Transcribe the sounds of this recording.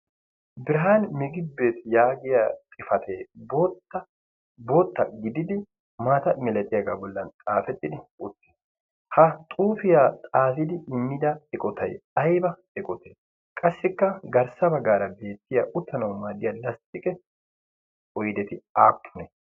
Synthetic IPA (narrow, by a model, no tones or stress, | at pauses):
bɪɾɐɦaːnmɪɡɪbe̞ːt̪jaːɡɪjat̪ʼɪfɐt̪ʰeːbotːɐ | boːt̪ːɐɡɪd̪ɪd̪ɪ | maːt̪ɐmɛlɛt̪ʼɪjaɡa̰ːbɔlːɐnt̪ʼaːfɛt̪ʼːɪd̪ɪʊt̪ːɪ̥ | hɐt̪ʼuːfɪjaːt̪ʼaːfɪd̪ɪɪmːɪd̪ɐɛkʼɔt̪ʰɐ̰jɐjbɐ | ɛkʼɔt̪ʰe | kʼɐsːɪkːɐɡɐɾsɐbɐɡaːɾɐbe̞ːt̪ːɪjaʔʊt̪ːɐnɐwmaːd̪ɪjɐlɐst̪ʼːɪkʼɛ | ɔjd̪ɛt̪ɪaːpʰːʊnɛ